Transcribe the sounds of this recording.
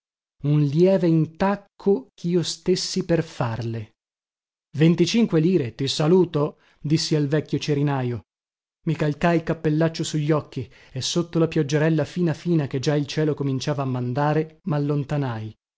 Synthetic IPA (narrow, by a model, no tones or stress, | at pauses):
unljɛːveint̪akʰːokʰiːost̪esːiperfarle | vent̪it͡ʃiŋkweliːɾet̪isaluːt̪o | d̪isːialvɛkʲːjot͡ʃeɾinaːjo | mikalkajilkapːelːat͡ʃːosuʎːɔkːi | esːot̪ːolapjɔd͡ʒːeɾɛlːafiːnafiːnaked͡ʒailt͡ʃɛːlokomint͡ʃaːvaːmːand̪aːɾemalːont̪anaj